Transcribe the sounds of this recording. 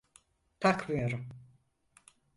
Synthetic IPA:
t̪ʰakmɯjoɾum

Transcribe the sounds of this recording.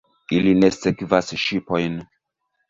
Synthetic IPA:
ilinesekvasʃipo̞jn

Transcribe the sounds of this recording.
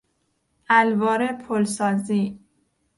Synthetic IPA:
ælvɒːɾepʰolsɒːziː

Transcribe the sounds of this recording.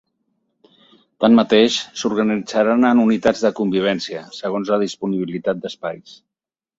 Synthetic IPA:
t̪anmːət̪eʃsuɾɣənid͡zaɾanənunit̪ad͡zðəkumbiβ̞ɛnsiəsəɣonzləðispuniβ̞ilit̪at̪̚d̪əspajs

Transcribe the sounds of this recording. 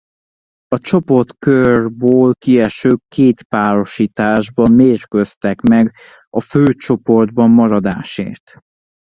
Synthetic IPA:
ɒt͡ʃo̞po̞rt̪kørbøːlkiɛʃøːkːeːt̪paːɾo̞ʃiːt̪aːʒbɒmmeːrkøst̪ɛkmɛɡ | ɒføːt͡ʃo̞po̞rd̪bɒmːɒɾɒd̪aːʃḛːrt̪

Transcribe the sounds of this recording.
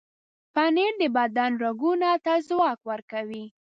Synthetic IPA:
paneɾd̪əbad̪ɑnɾaɡunat̪azwɑkwəɾkawi

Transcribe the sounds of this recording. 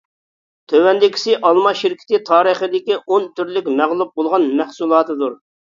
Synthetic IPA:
t̪ʰøwɛnd̪ɪkʲʰi̥sɪʔɑlˠmɑʃɪɾkʲʰɪ̥t̪ɪt̪ʰɑːɾəχəd̪ɪkʲiʔont̪ʰyɾlɪkʲmæʁlˠup̚bolˠʁɑnmæχsulˠɑːt̪ʰɨd̪uɾ

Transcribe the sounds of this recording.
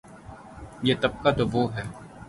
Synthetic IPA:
jeːt̪ɐb̚kat̪oʋoːɦɛː

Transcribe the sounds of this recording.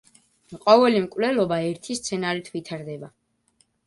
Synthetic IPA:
qʼɔvɛlimkʼwvlɛlɔbaɛɾt̪ʰist̪sʰɛnaɾit̪ʰvit̪ʰaɾd̪ɛba

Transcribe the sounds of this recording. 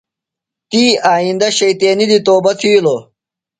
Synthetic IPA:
t̪iːaːind̪ɐɕɐjt̪eːnid̪it̪oːbɐt̪ʰijloː

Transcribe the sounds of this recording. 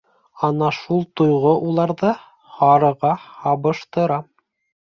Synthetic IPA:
ɑnɑʃulˠt̪ŏjʁoʔulˠɑɾðɤ | hɑɾɤ̆ʁɑhɑβɤ̆ʃt̪ɤ̆ɾɑ

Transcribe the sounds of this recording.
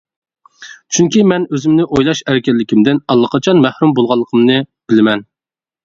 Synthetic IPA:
t͡ʃʰyŋkʲimɛnøzɪmnɪʔojlˠɑʃæɾkʲɛlːɪkʲʰimd̪ɪnɑlˠːəqʰɑt͡ʃʰɑnmæhɾumbolˠʁɑlˠːəqʰəmnɨb̥ɪlɪmɛn

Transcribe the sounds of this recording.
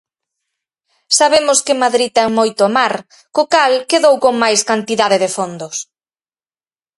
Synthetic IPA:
saβemʊskɪmaðɾit̪ɛŋmojt̪ʊamaɾ | kokalkeðowkoŋmajskant̪iðaðɪðɪfond̪ʊs

